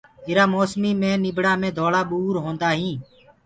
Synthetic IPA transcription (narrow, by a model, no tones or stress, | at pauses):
ɪɾaːmoːsmiːmẽːnɪbɽaːmẽːd̪ʱoːɭaːɓuːɾɦõːnd̪aːɦĩː